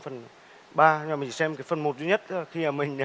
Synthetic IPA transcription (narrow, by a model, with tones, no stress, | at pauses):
fə˨˩n | ɓaː˧˨˩mï˨˩˨sɛ˧mkaː˨˦jfə˨˩nmo˨˩t̚zwi˧˦ɲə˦˥t̚ːxi˧aː˨˩mï˨˩ŋ̟˨